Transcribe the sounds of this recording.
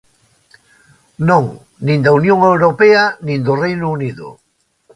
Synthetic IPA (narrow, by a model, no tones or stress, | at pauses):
nõŋ | nĩnd̪aunjõŋewɾopeɐnĩnd̪ʊrejnʊuniðʊ̰